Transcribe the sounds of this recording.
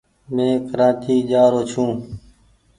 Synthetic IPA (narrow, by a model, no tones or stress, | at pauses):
mẽːkəɾãːt̪ʰiːd͡ʒaːɾoːt͡ʃʰũː